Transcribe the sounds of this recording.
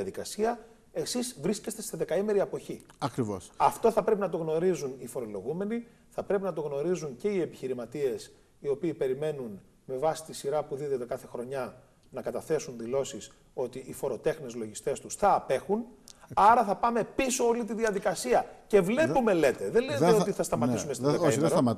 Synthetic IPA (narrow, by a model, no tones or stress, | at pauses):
ɐðikɐsiɐ | e̞sizvɾisce̞st̪e̞st̪e̞ðe̞kɐimeɾiɐpo̞çiɐkɾivo̰sɐft̪o̞θɐpɾe̞pinɐt̪o̞ɣno̞ɾizunifo̞ɾo̞lo̞ɣume̞ni | θɐpɾe̞pinɐt̪o̞ɣno̞ɾizuɲce̞ie̞piçiɾimɐt̪ie̞s | io̞piːpe̞ɾime̞nun | me̞vɐsi̥t̪isiɾɐpuðiðot̪e̞kɐθe̞xɾo̞ɲɐ | nɐkɐt̪ɐθe̞sunðilo̞sis | o̞t̪iʔifo̞ɾo̞t̪e̞xnezlo̞ʝist̪e̞st̪usθɐːpe̞xunɐɾɐθɐpɐme̞piso̞olit̪iðiɐðikɐsiɐce̞vle̞pume̞le̞t̪e̞ðelezeot̪iθɐst̪ɐmɐt̪isumest̪oðekimɾ